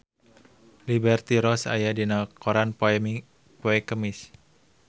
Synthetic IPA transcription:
libɛrt̪iɾɔsa̰jadinakɔɾanp | pɔɛkəmis

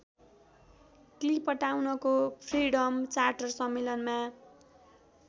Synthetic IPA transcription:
klipːʌʈawnʌkopʰriɽʌmt͡sarʈʌrsʌmːelʌnma

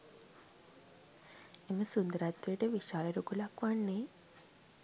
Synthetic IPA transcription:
emɐsund̪əɾat̪ʋeʈəʋiʃaːlɐɾukulakʋaɳːe

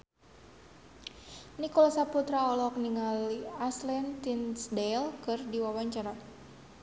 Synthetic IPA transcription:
nikɔlɔsaput̪ɾaɔlɔk̚niŋaliaslɛnt̪insdɛlkɨrdiwawaɲt͡ʃaɾa

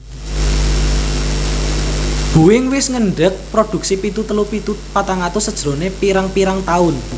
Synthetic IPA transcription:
b̥ṳwɪŋwɪsŋəɳɖək̚pɾod̪̥ṳk̚sipit̪ut̪əlupit̪upat̪aŋat̪usəd̥ʒ̥ɾo̤nepiɾaŋpiɾaŋt̪aʊn

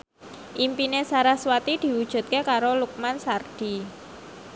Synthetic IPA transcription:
ʔimpinesaɾahswat̪id̪̥i̤wud̥ʒ̥ṳt̪̚kekaɾoluk̚mansard̪̥i

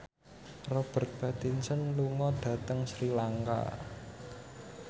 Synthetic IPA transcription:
rɔb̥ə̤t̪̚b̥at̪insənluŋɔɖ̥ä̤t̪əŋsɾilaŋka̰

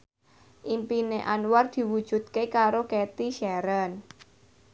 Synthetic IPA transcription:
ʔimpineʔanward̪̥i̤wud̥ʒ̥ṳt̪̚kekaɾoket̪iʃɛɾən

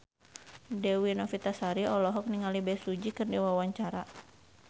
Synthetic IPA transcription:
dɛwinɔfit̪asaɾiɔlɔɦɔk̚niŋalibɛsud͡ʒikɨrdiwawaɲt͡ʃaɾa

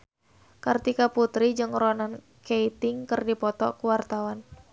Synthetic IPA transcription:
kərt̪ikaput̪ɾid͡ʒɨŋrɔnan | keit̪ɪŋkɨrdipɔt̪ɔkuwart̪awan

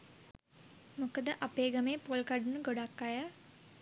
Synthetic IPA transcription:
mukəd̪əʔapeːɡəmeːpolkaɖunuɡoɖakːajə

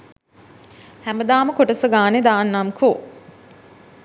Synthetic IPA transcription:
hæməd̪aːməkoʈəsəɡaːned̪aːnːamkʰo

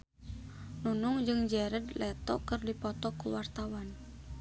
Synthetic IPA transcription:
nunuŋd͡ʒɨŋd͡ʒɛɾəd̪lɛt̪ɔ̰kərdipɔt̪ɔkuwart̪awan

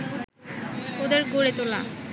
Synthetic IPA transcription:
od̪eɾɡoɽet̪ola̰

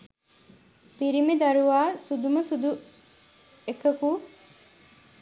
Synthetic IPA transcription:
piɾimid̪ɐɾuʋaːsud̪umɐsud̪u | ekɐku

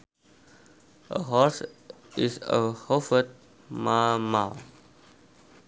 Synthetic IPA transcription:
ʔə̰ɦɔs | isə̰hofət̚ | mamal

